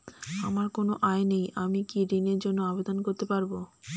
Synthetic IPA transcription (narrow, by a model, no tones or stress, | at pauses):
amaɾkonoʔaenejamikiɾineɾd͡ʑonːoabed̪onkoɾt̪epaɾbo